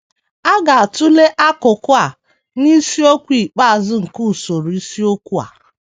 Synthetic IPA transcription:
a˦ɡa˨a˨tʊ˦le˦ʔa˦kʊ˨kʊ˦a˨ | ni˦si˦o˦kʷi˨k͡pa˦a˨zɪ˦ŋ̩˨ku˦˨so˨ɾi˦si˦o˦kʷu˦a̰˨

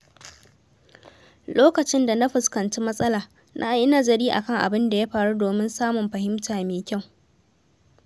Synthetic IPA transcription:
loː˦kɐ˨t͡ʃɪ˦nda˨na˦ɸʊ˨skɐ˨nt͡ʃiː˦mɐ˦sʼɐ˦laː˨ | nʔa̰˦ʔʔɪ˦na˦zɐ˨ɾiː˦ʔa̰˨kɐ˦˨ŋʔa̰˨bɪ˦nda˨ja˦ɸaː˨ɽu˦doː˨mɪ˦nsaː˦mʊ˨mɸɐ˨hɪ˦mtʰaː˨meː˨kʲa˦˨w

